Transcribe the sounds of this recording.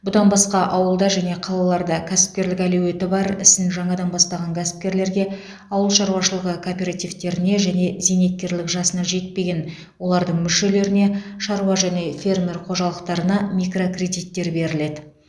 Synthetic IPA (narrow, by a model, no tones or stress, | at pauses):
bʊd̪ɑnbɑsqɑʔɑwəlˠd̪ɑʒæne̞qʰɑlˠɑlˠɑɾd̪ɑkʲʰæsɪ̥p̚kʲe̞ɾlɪkʲæluwe̞t̪ɪbɑɾɪ̰st̪ɪŋʒɑɴɑd̪ɑnbɑst̪ɑʁɑŋkʲʰæsɪ̥p̚kʲe̞ɾle̞ɾɡʲe̞ | ɑwəlˠʃɑɾuwɑʃəlˠəʁəkʰoːpʲeɾat̪ijvt̪e̞ɾɪne̞ʒæne̞zene̞t̪̚kʲːe̞ɾlɪkʒɑsənɑʒe̞t̪̚pe̞ɡʲen | wo̞lˠɑɾd̪əɴmʏʃe̞le̞ɾɪne̞ʃɑɾuwɑʒæne̞fʲe̞rmʲe̞rqʰo̞ʒɑlˠəqt̪ɑɾənɑmijkro̞krʲe̞d̪ijt̪ːe̞ɾbe̞ɾɪle̞d̪ɪ